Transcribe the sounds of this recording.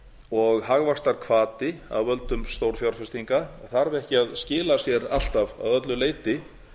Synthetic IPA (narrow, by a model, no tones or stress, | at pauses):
ɔɣɦaɣvaxst̪aɾ̥kʰvaːt̪ɪa̰ðvœlt̪ʏmst̪owɾ̥fjawɾ̥fɛst̪iŋkaθaɾvɪɛhcɪaðscɪːlasjɛɾal̥t̪ava̰ðœt̪̬lʏleːjt̪ɪ